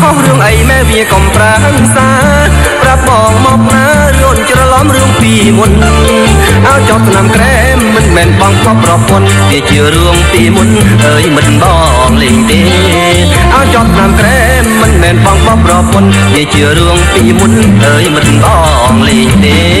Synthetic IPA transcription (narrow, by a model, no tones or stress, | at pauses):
kʰohruəŋʔəjmeːlʋiəkɑmpraʔəŋsaː | prap̚mɑːŋmɑːp̚naː | ruən̚t͡ɕrɑlɑmrɨəŋpiːmunːɨŋŋ | ʔaəwt͡ɕɑp̪̚ʰnamkrɛː | mɨnmɛːnɓɑŋkpːrɑpon | t͡ɕiət͡ɕiəruəŋpiːmun | ʔəːjmɨt̪̚mɗɑː | ŋleːɲt̪eː | ʔaəwt͡ɕɑp̚sʰnamkreː | mɨnmɛːnɓɑŋɓɑpːrɑpon | t͡ɕiət͡ɕiərɨəŋpiːmun | ʔəːjmɨt̪̚mɗɑː | ŋleːɲt̪eː